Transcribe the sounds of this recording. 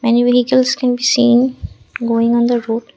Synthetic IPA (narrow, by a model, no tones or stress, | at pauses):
mɛniʋɪɦikəlskɛ̃nbiːsĩːn | ɡoːɪ̃ŋɔ̃nd̪əɾoːɖ